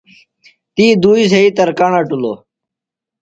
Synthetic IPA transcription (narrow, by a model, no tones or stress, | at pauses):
t̪iːd̪uːiːs̬eit̪ɐɾkaɳaːʈulo̰ː